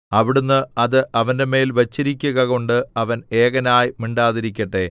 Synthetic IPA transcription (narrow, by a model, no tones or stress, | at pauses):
ɐʋiɽunːɨɐðɨʔɐʋɐnde̞me̞ːlʋɐt͡ɕːiɾikʲːuɣɐɣo̞ɳɖɨɐʋɐne̞ːɣɐnaːjmiɳɖaːðiɾikʲːɐʈːe̞